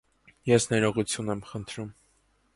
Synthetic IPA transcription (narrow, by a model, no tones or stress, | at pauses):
jɛsnɛɾɔʁut͡sʰjunɛmχənt̪ʰɾum